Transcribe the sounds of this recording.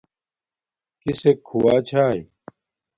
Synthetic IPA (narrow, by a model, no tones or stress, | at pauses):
kisekʰuwaːt͡ɕʰaːj